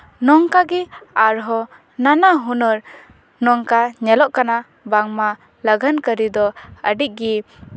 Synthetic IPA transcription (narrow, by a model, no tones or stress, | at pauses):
nɔŋkaɡiaɾɦɔ | nanaɦunɔɾ | nɔŋkaɲɛlɔʔkana | baŋma | laɡʱankəɾid̪ɔəɖiʔ̚ɡi